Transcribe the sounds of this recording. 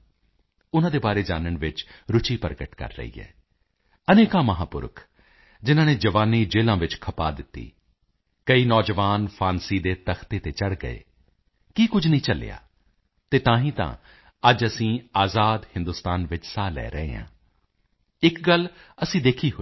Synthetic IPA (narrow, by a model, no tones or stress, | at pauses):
ʊnãːd̪eːbaːɾeːd͡ʒaːnəɳʋɪt͡ʃɾʊt͡ʃiːpəɾɡəʈkə̰ɾːə̰ɦḭːɛ̰ː | əneːkãːməɦãːpʊ̰ɾəkʰ | d͡ʒɪnãːneːd͡ʒəʋaːniːd͡ʒeːlãːʋɪt͡ʃkʰəpa̰ːd̪ɪt̪ːḭː | kəiːnɔːd͡ʒəʋaːnpʰaːnsiːd̪eːt̪əxʰt̪eːt̪eːt͡ʃəɽɡə̰ḛː | kiːkʊd͡ʒʱnəĩːt͡ʃəlḛːa̰ː | t̪eːt̪ãːɦĩːt̪ã̰ː | əd͡ʒəsĩːaːzaːd̪hɪ̃nd̪ʊst̪aːnʋɪt͡ʃsaːlɛ̰ːɾəɦḛːã̰ː | ɪkɡələsĩːd̪eːkʰiːɦo